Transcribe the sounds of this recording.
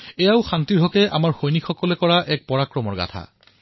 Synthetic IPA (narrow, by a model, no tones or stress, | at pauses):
ɛjaʊxantiɹɦɔkɛʔa̰maɹxojnikxɔkɔlɛkɔɹaʔɛk̚pɔɹakɹɔmɔɹɡa̰tʰa̰